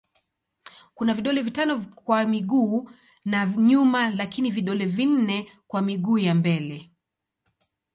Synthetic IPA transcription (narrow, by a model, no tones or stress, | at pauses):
kunaviɗɔlɛvitanɔkwamiɠuː | naɲumalakiniviɗɔlɛvin̩nɛkwamiɠuːjambɛlɛ